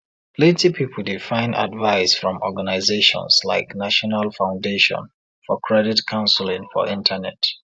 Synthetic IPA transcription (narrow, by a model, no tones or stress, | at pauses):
letipʰipʰl̩difãɪ̃na̰dvaɪsfɹɔ̃mɔɡanaɪzeʃɔ̰̃nsla̰ɪknaʃɔnalfãʊ̃ndeʃɔ̰̃n | fɔkʰɹɛditkʰãʊ̃nslĩŋfɔ̰ʔĩntʰənɛt